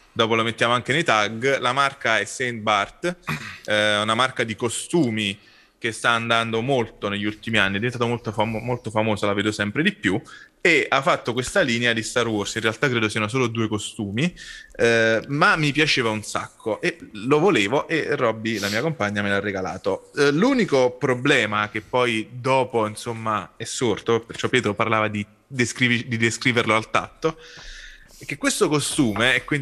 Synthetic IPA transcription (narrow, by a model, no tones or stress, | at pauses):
d̪ɔːpolomet̪ːjaːmoaŋkenejt̪aɡlamarkaɛsen̚bart̪ | unamarkad̪ikost̪uːmi | k̟est̪aːnd̪and̪omolt̪oneʎːult̪imianːiɛd̪ient̪at̪omolt̪ofmolt̪ofamoːzalaveːd̪osɛmpɾed̪ipːjueafːat̪ːokwest̪aliːnead̪ist̪arwɔrsinrealt̪akːɾeːd̪osiːanos̬oːlod̪uːekost̪uːmi | mamːipjat͡ʃeːvaunsa̰kʰːoʔelovoleːvoʔerːɔbːilamiːakompaɲːamelarːeɡala̰ːt̪oluːnikopɾoblɛːmak̟epːɔjd̪ɔːpoinsomːaɛsːort̪opert͡ʃɔpːjɛːt̪ɾopaɾlaːvad̪i | d̪eskɾivd̪id̪eskɾiːverloalt̪a̰t̪ːo | ɛk̟ːekːwest̪okost̪uːmeɛkwi